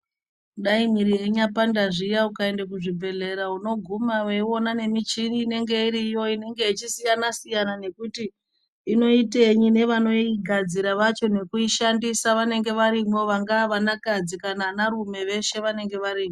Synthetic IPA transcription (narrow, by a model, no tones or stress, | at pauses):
ɗaimiɾijeɲapandaʐijaukaendekuʐibʱe̞ɮe̞ɾauno̞ɡʱumawewo̞nane̞mit͡ʃiniːne̞ŋɡe̞iɾijo̞ine̞ŋɡe̞it͡ʃisijanasijanane̞kutiː | no̞ite̞ɲine̞ʋano̞iɡʱad͡ziɾaʋat͡ʃo̞ne̞kuiʃandisaʋane̞ŋɡe̞ʋaɾimo̞ʋaŋɡaːʋanakad͡zikananarume̞ʋe̞ʃe̞ʋane̞ŋɡe̞ʋaɾiːmo